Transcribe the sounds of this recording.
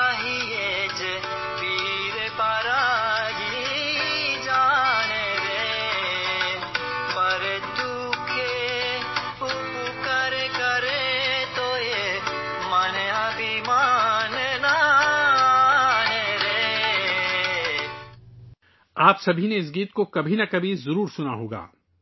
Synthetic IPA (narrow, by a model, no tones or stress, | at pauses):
ɦije | d͡ʒ | bʱi | ɾepaːɾaɦi | d͡ʒaneɾe | bɐɾet̪u | kʰe | upukɐɾekəɾet̪oje | maneɐbʱimanena | neɾe | aːpsɐbʱineɪs̬ɡiːt̪̚kokɐbʱinɐkɐbʱizɐɾuːɾsʊnaɦo̰ːɡa̰ː